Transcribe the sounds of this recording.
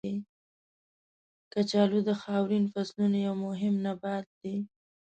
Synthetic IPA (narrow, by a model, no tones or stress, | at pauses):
i | kat͡ʃɑlud̪əxɑwɾinfaslunajawmʊɦɪmnabɑt̪̚d̪i